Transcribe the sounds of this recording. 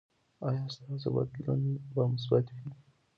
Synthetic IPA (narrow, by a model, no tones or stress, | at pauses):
ajɑst̪ɑza̰ba̰d̪la̰nebamʊs̬bat̪wi